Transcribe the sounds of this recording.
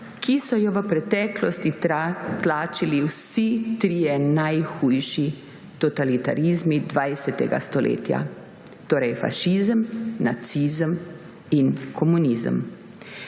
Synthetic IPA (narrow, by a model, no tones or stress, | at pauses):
kʰisɔjɔʋəpɾɛt̪ɛːklɔst̪it̪laːt͡ʃiliwsit̪ɾiːjɛnajxujʃi | t̪ɔt̪alit̪a̰ɾizmid̪ʋajsɛt̪ɛɡa̰st̪ɔlʔḛːt̪ja̰ | t̪oːɾɛjfa̰ʃizəmnat̪sizəm | inkʰɔmunizə̰m